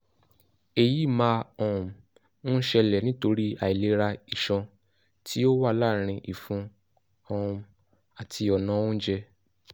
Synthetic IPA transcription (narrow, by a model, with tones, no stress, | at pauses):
e˨ji˨˦˨mã˧ɔ̃˨˦ | ʃɛ˧lɛ˨nĩ˦to˧ɾi˦a˨i˨le˨˦ɾa˧i˨ʃɔ̃˧ | tʰi˦o˦wa˦˨la˦˨ɾ̃ĩ˧ʔi˨fũ˨˦ | ɔ̃˧ũ˧ | a˨tʰi˧ɔ˨nã˨˦ũ˦d͡ʒɛ˧